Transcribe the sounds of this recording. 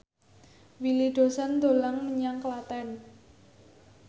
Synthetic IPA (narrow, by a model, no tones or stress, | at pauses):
wilid̪̥o̤sand̪o̤laŋməɲaŋklat̪ɛn